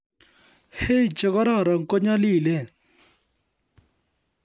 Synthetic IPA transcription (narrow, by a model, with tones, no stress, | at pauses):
he˦˨t͡ʃɛ˨ɣɔ˦ɾɔ˦˨ɾa˨ŋ˨kɔ˦ɲa˦liː˦˨lɛ˦˨